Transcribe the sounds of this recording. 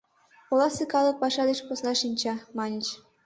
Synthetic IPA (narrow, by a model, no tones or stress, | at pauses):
ulˠɑsɨkɑlˠɤ̆k̚pɑʃɑd̪eʃposnɑʃinʲt͡ɕɑmɑnʲĭt͡ɕ